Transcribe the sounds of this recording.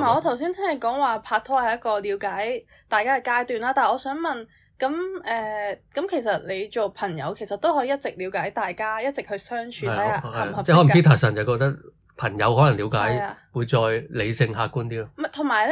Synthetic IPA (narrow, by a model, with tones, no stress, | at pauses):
maː˨˩ɔː˧t̪ʰɐ˨˩ws̬iː˥nt̪ʰɛ˥ŋhɐ˨˩jkɔː˨˥ŋwaː˨pʰaː˧k̚t̪ʰɔː˥hɐ˨˩jɐ˥kɔː˧li˨˧wkaː˨˥j | t̪aː˨˩jkaː˥ɐ˨˩kaː˥jt̪yː˨˧nlaː˥t̪aː˨˩ɔː˨˧sœː˨˥ŋmɐ˨˩n | kɐ˨˥mʔɛː˨kɐ˨˥mkʰe˨˩jsɐ˨t̚le˨˧jt͡ʃo˨wpʰɐ˨˩ŋjɐ̰˨˧wkʰe˨˩jsɐ˨t̪o˥whɔː˨˥ji˨˧jɐ˥t̚t͡sɪ˨k̚liː˨˧wkaː˨˥jt̪aː˨jkaː˥jɐ˥t̚t͡sɪ˨k̚hɵ˧ɥsœː˥ŋt͡ʃʰyː˧˨˥a˥hhɐ˨˩ɛ˥hɔː˨˥˨kiː˥t̪ʰaː˨˩k̚sɐ˨˩nt͡sɐ˨wkɔː˧k̚t̪ɐ˥k̚ | pʰɐ˨˩ŋjɐ˨˧whɔː˨˥lɐ˨˩liː˨˧wkaː˨˥jwuː˨˧jt͡sɔː˧jle˨˧jsɪ˧ŋɦaː˧kuː˥nt̪iː˥lɔ˥mɐ˨t̪ʰo˨˩ŋmaː˨˩j